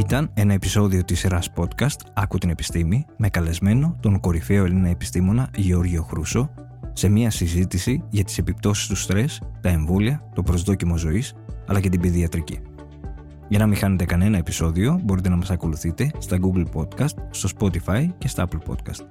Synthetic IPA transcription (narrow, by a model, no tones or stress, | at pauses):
it̪ɐne̞nɐe̞piso̞ðio̞t̪isɾɐspo̞t̪kɐst̪ɐkut̪ine̞pi̥st̪imime̞kɐle̞zme̞no̞t̪o̞ŋko̞ɾife̞o̞elinɐe̞pi̥st̪imo̞nɐʝeo̞ɾʝio̞xɾuso̞ | se̞miɐsizit̪isiʝɐt̪i̥se̞pip̚t̪o̞si̥st̪ust̪ɾe̞st̪ɐe̞ɱvo̞liɐt̪o̞pɾo̞zðo̞cimo̞zo̞is | ɐ̰lɐce̞t̪ibiðiɐt̪ɾicḭ | ʝɐnɐmixɐne̞t̪e̞kɐne̞nɐe̞pi̥so̞ðio̞bo̞ɾit̪enɐmɐsɐko̞luθit̪e̞st̪ɐɡuɡlpo̞t̪kɐst̪st̪o̞spo̞t̪ifɐjce̞st̪ɐɐplpo̞̰t̪̚kɐ̰st̪